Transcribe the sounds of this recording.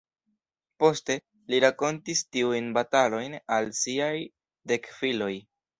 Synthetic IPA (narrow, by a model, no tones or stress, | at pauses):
po̞ste̞ | liɾako̞ntistiujnbatalo̞jnalsiaj | de̞kfilo̞j